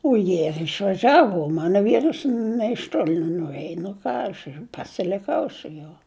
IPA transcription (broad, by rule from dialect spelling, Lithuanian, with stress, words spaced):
oː ˈjiɛ ɪr ɪʃʋɐˈʒʲæːʋʊ oː ˈmɑːnoː ˈʋʲiːrɐs nʲeː ɪʃ ˈtoːlʲɪ nʲɛnʊˈrʲeːj nʊ ˈkɑː ɐʃ ɪr pɐsʲɪlʲɪˈkɐʊ sʊ ˈjuɔ